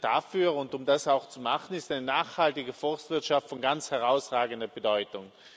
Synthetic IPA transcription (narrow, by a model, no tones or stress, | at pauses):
d̥afyːɐʊntʊmdasaʊxt͡sumaχn̩ɪstaɪnənaːχhaltɪɡəfɔstv̥ɪɐtʃaftfɔnɡant͡shɛʁaʊsʁaːɡəndɐbədɔʏtʊŋ